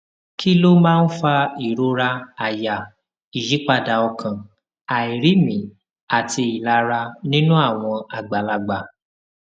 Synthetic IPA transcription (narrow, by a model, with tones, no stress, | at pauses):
kʰi˦lo˦mãː˦n̩˦fa˧i˨ɾo˧ɾa˧a˨ja˨ | i˨ʃi˨˦k͡pa˧da˨ɔ˧kʰã˨ | a˨i˨ɾi˨˦mĩ˨ | a˨ti˧i˨la˧ɾa˧nĩ˦nũ˦a˦˨w̃ɔ̃˧a˨ɡ͡ba˨la˨ɡ͡ba˨